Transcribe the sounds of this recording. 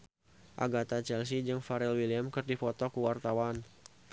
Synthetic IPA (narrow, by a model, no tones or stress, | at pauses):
ʔa̰ɡat̪at͡ʃɛls̬id͡ʒɨŋfaɾɛlwiliamkərdifɔt̪ɔkuwart̪awan